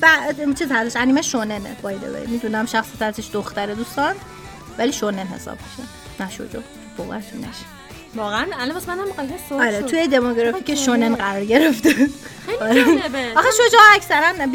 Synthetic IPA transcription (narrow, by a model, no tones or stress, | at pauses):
bæt͡ʃʰizhæsɛʃænimæʃonenḛb̥ɒːjid̪ḛbɛ̰ḭmid̪unæmʃæxsiæt̪æzeʃd̪oxt̪æɾed̪ust̪ɒn | væliʃonenhe̞̰sɒ̰b̥miʃe | næʃo̰d͡ʒɒ̰ː | b̥oɣæ̰nt̪ʰunæʃ | ɒːɣænælɑbsmænæmːxlesoɒɾet̪ʰujed̪emoɡɾɒfiːcʰeʃonenɢæɾɒɾɟe̞ɾe̞ft̪e | ɒɾeɑxeʃo̞d͡ʒɒːæcsæɾænb